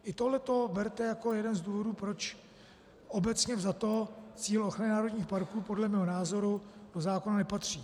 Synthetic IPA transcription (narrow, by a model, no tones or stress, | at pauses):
ʔɪt̪oɦlɛt̪o̞bɛɾt̪ɛjako̞jɛdɛnzduːvo̞duːpɾo̞t͡ʃ | ʔo̞bɛt͡sɲɛvzat̪o̞t͡siːlʔo̞xɾanɪnaːɾo̞dɲiːxpaɾkuːpo̞dlɛmɛːɦonaːzo̞ɾud̥o̞zaːkonanɛpat̪r̝̥iː